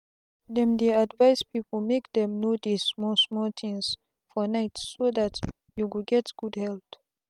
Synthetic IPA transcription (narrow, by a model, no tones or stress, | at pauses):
dɛ̃md̪iadvaɪspipl̩mekd̪ɛ̃mnodismɔsmɔlt̪ʰɪ̃ŋs | fɔnaɪtsːoðat | juwuɡɛtɡ̥udhɛlt